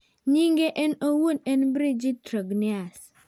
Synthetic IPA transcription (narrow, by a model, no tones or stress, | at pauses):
ɲiŋɡeʔɛnowunɛnbɾid͡ʒitɾoɡnias